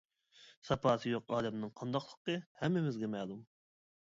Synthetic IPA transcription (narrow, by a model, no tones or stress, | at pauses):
sɑpɑːsɨjoqɑːlɛmnɨŋqʰɑnd̪ɑqlˠə̥qəhɛmːɪmɪzɡʲɛmɛːlˠum